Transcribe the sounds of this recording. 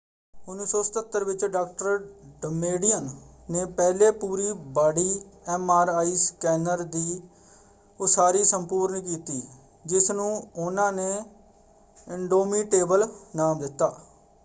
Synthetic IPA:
ʊniːsɔːsə̥t̪ət̪ːəɾʋɪt͡ʃɖaːk̚ʈəɾɖəmeːɖɪənːeːpɛːleːpuːɾiːbaːɽiːɛːmaːɾaːiːskɛːnəɾd̪iː | osaːɾiːsəmpuːɾnkiːt̪iː | d͡ʒɪsnũːʊnãːneː | ɪɳɖoːmiːʈeːbəlnaːmd̪ɪt̪ːa̰ː

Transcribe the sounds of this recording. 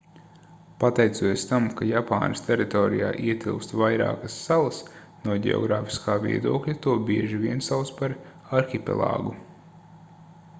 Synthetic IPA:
pat̪ɛjt̪suɔjst̪amkajapaːnɨst̪ʲɛɾit̪ɔːɾija̰ːʔiɛt̪ʲilˠkst̪vajɾa̰ːkɐsːalˠɐs | nuɔɟʲɛ̰ɔ̰ɡɾaːfi̥skaːvḭɛd̪uɔklʲat̪uɔbiɛʒivʲiɛnsalˠspaɾ | aɾxʲipɛ̰lˠɑ̰ːɡu

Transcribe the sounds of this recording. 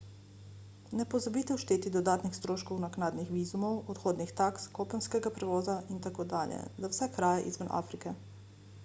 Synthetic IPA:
nɛpɔzabit̪ɛwʃt̪eːt̪id̪ɔd̪aːt̪nixst̪ɾoːʃkɔwnaknaːd̪nixʋiːzumɔwɔt̪xoːd̪nixt̪akskoːpənskɛɡapɾɛʋɔːzaʔint̪akoːd̪aːljɛ̰zawsɛkɾaːjaʔizʋənʔa̰ːfɾikɛ

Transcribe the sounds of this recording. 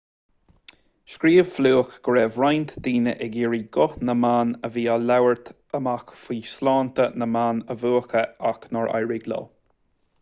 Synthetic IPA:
ʃkɾiːvfluːəxɡ̥əɹɛːvɾajnt̪d̪̥iːnə̰ʔɛɡiːɹiːɡʊhnəmaːnəviːalawəɹt̪ʰ | əmaxfiːslɑːnt̪ənəmaːnəvuːxəaknɔɹa̰jɹɪɡlə̰

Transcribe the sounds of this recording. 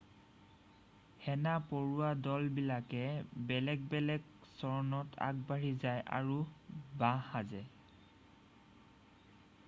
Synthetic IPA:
hɛnapoɹuwadɔlbilakɛbɛlɛɡ̚bɛlɛɡsɔɹɔnɔtʰa̰ɡ̚baɹizajʔa̰ɹubãhazɛ

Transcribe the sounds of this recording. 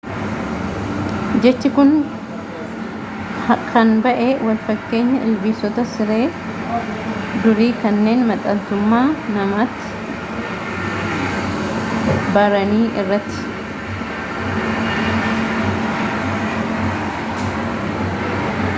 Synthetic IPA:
d͡ʒɛt͡ʃːɪkʊn | kʰɐnbɐʔeːwɐlfɐkːe̞ːɲːɐʔɪlbiːsɔt̪ɐsɪɾe̞ː | d̪ʊɾiːkɐnːe̞ːnmɐt̪ʼɐnt̪ʊmːaːnɐmat̪ːɪ̥ | bɐɾɐniːɪrːɐt̪ːɪ̥

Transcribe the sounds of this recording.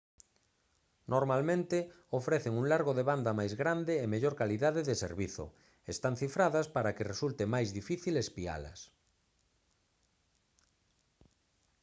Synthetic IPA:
nʔoɾmalmẽnt̪ɪ | ofɾeθeŋuŋlaɾɣoðeβand̪amajzɣɾand̪ɪːmeʎoɾkaliðaðeðesḛɾβiθo̰ | est̪aŋ̟θifɾaðaspaɾakeresult̪emajzðifiθilespia̰lɐ̰s

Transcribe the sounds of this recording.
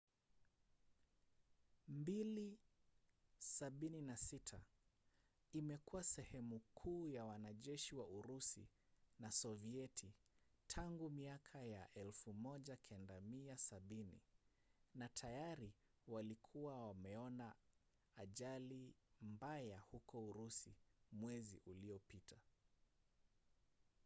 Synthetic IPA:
mbili | saɓininasitʰa | imɛkuwasɛhɛmukʰuːjawanaʄɛʃiwauɾusḭ | nasɔviɛtʰitʰaŋɡumiakʰajaʔɛlfumɔʄakʰɛndamiasaɓinḭ | natʰajaɾi | walikʰuwawamɛɔnaː | ʄalimbajahukɔuɾusḭmwɛzḭʔuliɔpitʰa

